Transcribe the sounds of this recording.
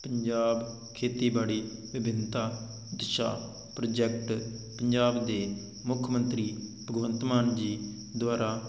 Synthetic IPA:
pəɲd͡ʒaːb | kʰeːt̪iːbaːɽiːbɪbɪnt̪aː | d̪ɪʃa̰ː | pɾəd͡ʒɛk̚ʈpəɲd͡ʒaːbd̪eː | mʊkʰmə̃nt̪ɾiːpəɡʋə̃nt̪maːnd͡ʒiː | d̪waːɾaː

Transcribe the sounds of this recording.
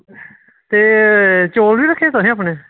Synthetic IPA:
t̪eːt͡ʃoːlʋiːɾəkʰːeːt̪ʊɦĩːəp̬ɳeː

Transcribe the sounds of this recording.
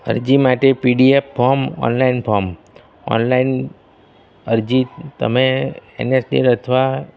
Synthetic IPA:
ə̰ɾd͡ʒimaʈepiɖiepːɔɾmɔ̰nlainpʰɔɾm | ɔ̰nlain | əɾd͡ʒit̪ə̰meḛnesɖḭɾət̪ʰʋa

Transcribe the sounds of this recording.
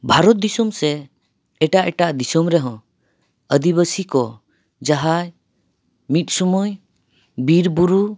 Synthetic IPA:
bʱaɾɔt̪̚d̪isɔmsɛ | ɛʈaʔɛʈaʔd̪isɔmɾɛɦɔ̃ | əd̪iβəsikɔ | d͡ʒaɦaj | mit̪̚sɔmuj | biɾbuɾu

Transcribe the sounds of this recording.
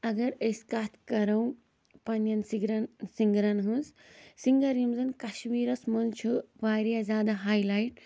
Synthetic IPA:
ɐɡɐɾɐskaːt̪ʰkɐɾɐw̃ | pɐnjɐnsiɡɾɐnsiŋɡɾɐnɦɨ̃ns | siŋɡɐɾimzɐnkɐʃmiːɾɐsmɐnt͡ʃʰuʋaːɾjazʲaːd̪aɦaːjlaːjʈ̚

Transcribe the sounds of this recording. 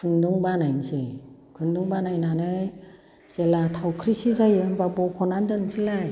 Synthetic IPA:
kʰɯnduŋbanajnsekʰɯnduŋbanajnanɯj | z̥elatʰawkʰɾisizajɯnbabɔkʰɔnandɯnsilaj

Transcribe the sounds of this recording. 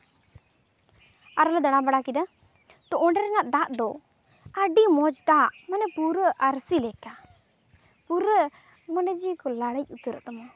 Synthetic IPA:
aɾɔlɛd̪aɽ̃abaɽakid̪a | t̪ɔʔɔɳɖɛɾɛnaʔd̪aʔd̪ɔ | aɖimɔd͡ʒd̪aʔmanɛpuɾəʔaɾsilɛka | puɾə | mɔɳɖɛd͡ʒikɔlaɽəc̚ˀut̪əɾə̰ʔt̪ɔmɔ

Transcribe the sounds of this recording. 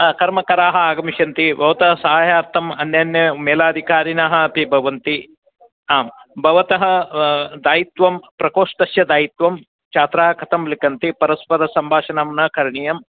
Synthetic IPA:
kɐɾmɐkɐɾaːɦɐ̆aːɡɐmiʃɐnt̪ibʱɐʋɐt̪ɐɦɐsɐɦaːjaːɾt̪ʰɐmɐnːjaːnjɐmeːlaːd̪ʱikaːɾinaːɦɐ̆ɐpibʱɐʋɐnt̪i | aːmbʱɐʋɐt̪ɐɦɐ̆d̪aːjit̪ʋɐmpɾɐkoːʂt̪ɐsjɐd̪aːjit̪ʋɐm | t͡ʃaːt̪ɾaːɐkɐt̪ʰɐmlikɐnt̪ipɐɾɐspɐɾɐsɐmbʱaːʃɐnɐmnɐkɐɾɳijɐm

